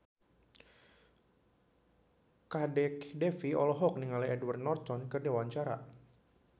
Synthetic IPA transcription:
kadɛkdɛfiɔ̰lɔɦɔk̚niŋaliɛdwart̪̚nɔrt̪ɔnkɨrdawaɲt͡ʃaɾa̰

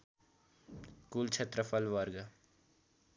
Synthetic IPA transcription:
kuːlt͡ʃʰet̪ɾəfɐlʋaɾɡa

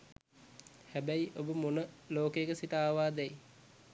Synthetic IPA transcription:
hæbæjiʔobəmonəloːkəjkəsiʈaːʋaːd̪ɛj

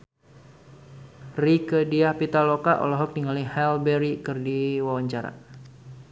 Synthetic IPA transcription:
rikədiahpit̪alokaʔɔ̰lɔɦɔk̚diŋalihɛlbɛɾikɨrdiwawaɲt͡ʃaɾa̰

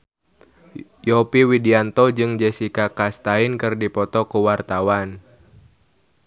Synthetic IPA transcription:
jɔpiwidiant̪ɔd͡ʒɨŋd͡ʒɛsikakast̪ainkɨrdipɔt̪ɔkuwart̪awan

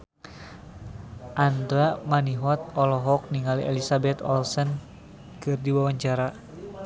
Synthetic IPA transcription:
ʔandɾamaniɦɔt̪̚ɔlɔɦɔk̚niŋaliɛlisabɛt̪ɔ̰lsən | kɨrdiwawaɲt͡ʃaɾa

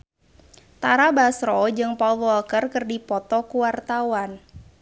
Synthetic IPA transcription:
t̪aɾabasɾɔd͡ʒɨŋpauvɔlkərkɨrdipɔt̪ɔkuwart̪awan

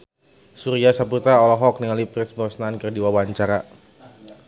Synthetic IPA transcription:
suɾiasaput̪ɾaɔlɔɦɔk̚niŋalipɾɪsbɔsnankərdiwawaɲt͡ʃaɾa

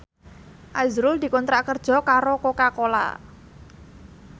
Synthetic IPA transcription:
ʔazɾʊld̪̥i̤kɔnt̪ɾakərd̥ʒ̥ɔ̤kaɾokokakola̰

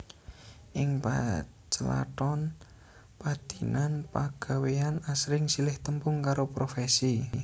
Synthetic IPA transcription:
ʔɪŋpa̰ | t͡ʃəla̰ʈ̪ɔn | pad̪̥i̤nanpaɡ̥a̤weanasɾɪŋsilɪht̪əmpʊŋkaɾopɾofɛsi

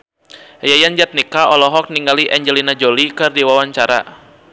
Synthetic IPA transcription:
jajand͡ʒat̪̚nikaɔlɔɦɔk̚niŋɡaliʔɛɲd͡ʒəlinad͡ʒɔlikɨrdiwawaɲt͡ʃaɾa̰

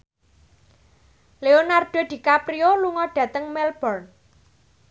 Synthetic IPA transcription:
leonard̥o̤d̪̥i̤kapɾioluŋɔɖ̪̥ä̤t̪əŋmɛlb̥ɔrn

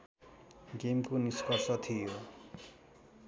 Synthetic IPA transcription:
ɡemkoniskʌrsʌt̪ʰijo

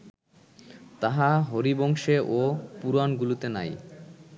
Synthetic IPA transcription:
t̪aɦaɦoɾibɔŋʃeʔopuɾanɡulut̪ena̰j

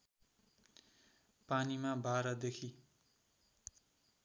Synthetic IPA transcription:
panimabʱaɾʌd̪ekʰi

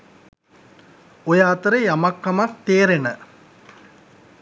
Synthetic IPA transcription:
ojaːt̪əɾejamɐkːɐmɐk̚t̪eːɾenə

